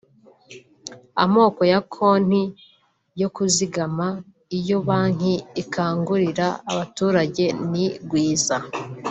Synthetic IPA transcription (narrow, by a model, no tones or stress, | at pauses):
a̰mo̞ːko̞jakʰo̞n̥hi | jo̞kuziɡama | ijo̞βaːŋ̥iikʰaːŋɡuɾiɾaːβatuːɾaɟe̞niɡwiːza